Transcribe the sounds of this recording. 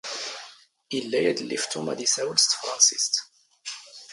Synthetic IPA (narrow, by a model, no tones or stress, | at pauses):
ʔɪlːæjæd̪əlːift̪umæ̰d̪isæwəlst̪fɾˤɑnsi̥st̪